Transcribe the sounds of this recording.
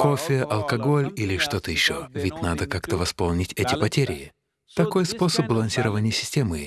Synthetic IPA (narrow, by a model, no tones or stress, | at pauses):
ko̞fʲɪʔɐlˠkɐɡo̞lʲilʲɪʂt̪o̞t̪əjɪɕːovʲɪtʲnad̪əkakt̪əvɐspo̞lˠnʲɪtʲɛtʲɪpɐtʲeɾʲɪjɪ | t̪ɐko̞jspo̞səb̚bəlˠɐnsʲiɾəvənʲɪjəsʲɪ̥sʲtʲe̞mɨ